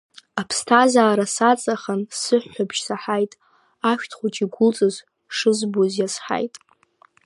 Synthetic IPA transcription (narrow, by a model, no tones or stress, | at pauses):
apʰstʰazaːɾasat͡sʼaχənsɨħːʷabʰʃsaħajtʼ | aʃʷᶣtʰχʷot͡ʃʼiɡʷʊlt͡sʼɨz | ʂɨzbozjasħa̰jtʼ